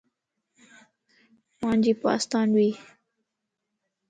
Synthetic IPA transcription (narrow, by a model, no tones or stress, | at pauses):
mɑnd͡ʒipɑ̰st̪ɑnwi